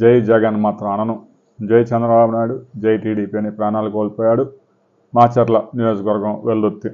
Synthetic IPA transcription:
d͡ʒejd͡ʒɛɡɐnmaːt̪ɾɐɐnɐnu | d͡ʒejt͡ʃɛnd̪ɾɐbaːbunaːjiɽud͡ʒejʈiːɽiːpijɐnːipɾaːnaːlukoːlipɔːjaːɽu | maːt͡ʃɐɾlɐnijoːd͡ʒɐkɐʋɐɾɡɐ̃mʋeɭɖut̪ːi

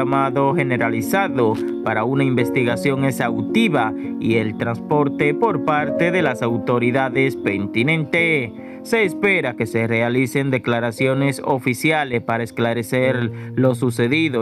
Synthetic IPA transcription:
amaðo̞xe̞ne̞ɾalisaðo̞paɾaunaimbe̞st̪iɣasjo̞ŋesawt̪iβa | ḭe̞lt̪ɾanspo̞ɾt̪e̞po̞ɾpaɾt̪e̞ðe̞lasawt̪o̞ɾiðaðe̞spe̞nt̪inẽ̞nt̪e | se̞ːspe̞ɾake̞se̞re̞alise̞nd̪e̞klaɾasjo̞ne̞so̞fisjalespaɾaesklaɾe̞se̞ɾlo̞suse̞ðiðo

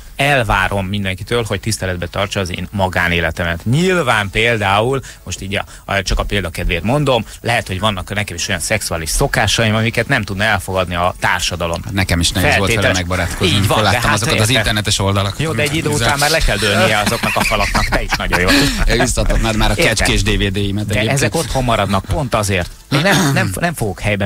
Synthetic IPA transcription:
ɛlvaːɾʔo̞mːind̪ɛŋkit̪øːlho̞c̚t̪ist̪ɛlɛd̪̚bɛt̪ɒrt͡ʃɒːzḛːnmɒɡaːneːlɛt̪ɛmɛt̪ɲilvaːmpeːld̪aːulmo̞ʃt̪iːɟɒ̰ | t͡ʃɒkɒpeːld̪ɒkɛd̪veːt̪mo̞nd̪o̞m | lɛɦɛt̪ho̞ɟvɒnːɒknɛkɛmiʃo̞jɒnsɛksuaːliʃso̞kaːʃɒjimɒmikɛt̪nɛmt̪ud̪nɒɛlfo̞ɡɒd̪niɒt̪aːrʃɒd̪ɒlo̞̰mat̪nɛkɛmiʃnɛfɛltolt̪eːɛlmɛɡbɔɾaːt̪koiːɟvɒlaːd̪ɛːamɔtzozint̪ɛɾnɛt̪ɛʃold̪ɒlɒkjoːɛɛɟid̪øːut̪aːmːaːrlɛkɛld̪ølnijɛɒzo̞knɒkɒfɒlɒknɒktnɛiʃnɒɟojoist̪ɒt̪ːot̪maːd̪maːɾɒɛt͡ʃkeːʒd̪eːveːd̪eːjimɛtd̪ɛd̪ɛeɛzɛko̞t̪ho̞mːɒɾɒd̪nɒk̚po̞nt̪ɒzeːrt̪ | enɛmnɛmnɛɱfo̞ɡo̞khɛjbɛ

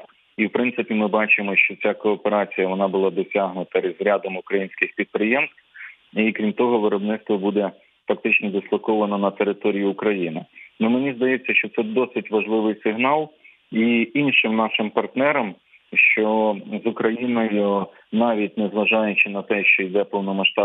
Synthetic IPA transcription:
iwpɾɪnt̪sɪpʲimɪbɑt͡ʃɪmɔʃt͡ʃɔt͡sʲakɔːpeɾɑt͡sʲijɐʋɔnɑbʊlˠɑd̪ɔsʲaɦnʊt̪ɐɾʲizɾʲad̪ɔmʊkɾɐjinʲsʲkɪxpʲid̪̚pɾɪjemst̪ | ikɾʲimt̪ɔɦɔʋɪɾɔbnɪt̪st̪ʋɔbud̪ɛ | fɐk̚t̪ɪt͡ʃnɔzɐslˠɐkɔʋɐnɔnɐt̪eɾɪt̪ɔɾʲijiʊkɾɐjinɪnɛmenʲizd̪ɐjet͡sʲːɐʃt͡ʃɔt̪sɛd̪ɔsɪtʲʋɐʒlˠɪʋɪjsɪɦnɑlˠ | iinʃɪmnɑʃɪmpɐrt̪nɛɾɐm | ʃt͡ʃɔzʊkɾɐjinɔjʊ | nɑʋʲit̚ʲnɛzʋɐʒɑjʊt͡ʃɪnɐt̪ɛʃt͡ʃɔjd̪ɛpɔwnɔmɐʃt̪ɑ

